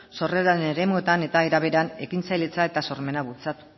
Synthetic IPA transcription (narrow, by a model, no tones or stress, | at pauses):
so̞reɾaeneɾe̞mue̞t̪ane̞t̪aeɾaβe̞ɾane̞kint͡sajlet͡sae̞t̪aso̞ɾme̞naβult͡sat̪u̥